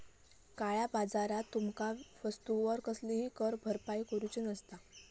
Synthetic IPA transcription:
kaɭjabad͡zaɾat̪ːumkaʋəst̪uʋəɾkəsliɦiːkəɾbʱəɾpaikəɾut͡ɕinəst̪a

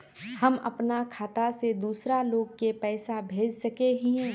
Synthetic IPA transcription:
hɐmɐ̰pnakʰaːt̪ased̪uːsɾaloːɡ̚kepɛːsabʱeːd͡ʒsɐkeɦĩɦɛ̃ː

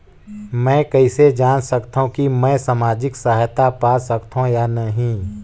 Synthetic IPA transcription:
mɛ̃ːkɐised͡ʒaːnsɐkt̪ɦũkimɛ̃ːsamaːd͡ʒɪksaɦjt̪apaːsɐkt̪ʰɦõjanɐɦĩ

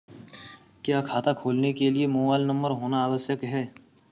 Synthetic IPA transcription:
kjaːkʰaːt̪akʰoːlnekeliemoːbaːɪlnɐ̃mbəɾɦoːnaaːwəsjəkɦɛː

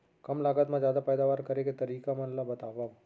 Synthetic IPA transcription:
kəmlaːɡət̪mãd͡ʒjaːd̪apɛjd̪aʋaɾkəɾeket̪əɾiːkamãnlabət̪aʋːa

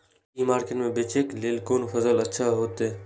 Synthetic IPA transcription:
imaːɾkeʈmẽbet͡ʃeːkleːlkoːnpʰəzələtːʃʰaɦoːt̪eː

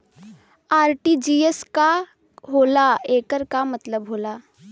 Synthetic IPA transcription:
aːɾʈid͡ʒiːeska | ɦoːlaeːkəɾkamət̪ləbɦoːlaː

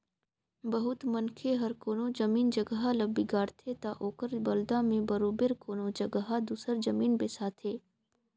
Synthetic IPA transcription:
bəɦʊt̪mɐnkʰeɦɐɾkoːnod͡ʒɐmiːnd͡ʒəɡɦalɐbiɡaːɾt̪ʰet̪aʔoːkəɾbɐld̪amẽbɐɾoːbɪɾkoːnod͡ʒɐɡɦad̪uːsəɾd͡ʒɐmiːnbeːsaːt̪ʰeː

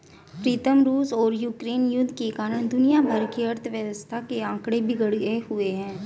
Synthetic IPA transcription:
pɾiːt̪əmɾuːsɔːɾjuːkɾeːnjʊd̪ʱːkekaːɾəɽ̃d̪ʊnijabʱəɾkiɐɾt̪ʰəʋjəʋəst̪ʰakeãːkɽebʱɪɡəɽehʊeɦɛ̃ː

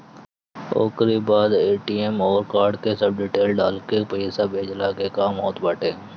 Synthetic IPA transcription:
o̰ːkɾibaːd̪eːʈiːɛmɔːɾkaːɾɖkesəb̚ɖiːʈeːlɖa̰ːlkepəisaːbeːd͡ʒlaːkekaːmɔːt̪baːʈeː

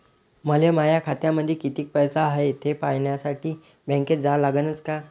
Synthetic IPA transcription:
məlemajakʰat̪jaməd̪ʱːjekit̪iːk̚pəjsaːɦet̪ʰepajɳjasaʈiː | bɛ̃ŋked͡zalaɡənət͡ska

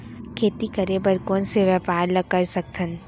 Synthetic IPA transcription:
kʰeːt̪ikɐɾebəɾkõːnseʋjɛːpaːɾləkɐɾsɐk̚t̪ʰən

